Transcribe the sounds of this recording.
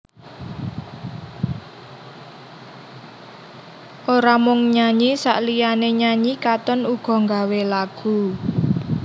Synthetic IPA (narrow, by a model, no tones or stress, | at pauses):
ʔoɾamʊŋɲaɲisa̰ʔlijaneɲaɲikat̪ɔnuɡ̥ɔ̤ŋɡawelaɡ̥ṳ